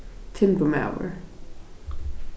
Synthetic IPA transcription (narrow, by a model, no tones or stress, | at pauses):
tʰɪ̃mpuma̰ʊə̰˞